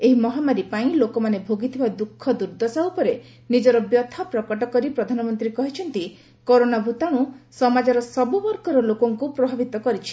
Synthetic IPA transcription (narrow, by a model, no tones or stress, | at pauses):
eɦimɔɦamaɾipaĩlokɔmanebʱoɡit̪ʰibad̪ukʰːɔd̪uɾd̪ɔsaupɔɾe | nid͡ʒɔɾɔbjɔt̪ʰɔpɾɔkɔʈɔkɔɾipɾɔd̪ʱanɔmɔnt̪ɾikɔɦit͡ʃʰɔnt̪i | kɔɾonabʱut̪aɽ̃usɔmad͡ʒɔɾɔsɔbubɔɾkɔɾɔlokɔŋkupɾɔbʱabit̪ɔkɔɾit͡ʃʰi̥